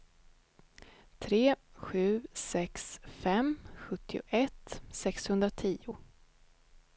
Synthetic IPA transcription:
t̪ʰɾeːɧʉ̟ːsɛksfɛmɧɵt̪ʰːɪʊ̰ʔɛt̪sɛkshɵnd̪ɾat̪ʰiːʊ

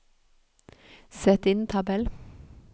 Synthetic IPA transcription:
sɛt̪ɪnt̪ʰɑbɛl

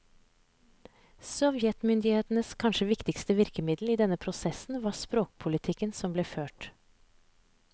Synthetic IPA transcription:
sɔʋjɛt̪mʏnd̪ɪheːt̪n̩əskʰɑnʃəʋɪkt̪ɪkst̪əʋɪɾkəmɪd̪l̩iːd̪ɛnəpʰɾʊsɛsn̩ʋɑːspɾoːk̚pʰʊlɪt̪ʰɪkənsɔmbleːføːʈ

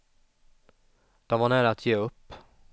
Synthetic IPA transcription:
d̪̥ɔmvaɳæːɾaat̪ʰjeːɵpː

